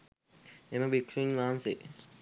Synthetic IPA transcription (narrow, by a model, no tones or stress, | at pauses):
emɐbikʂuɲʋaːnse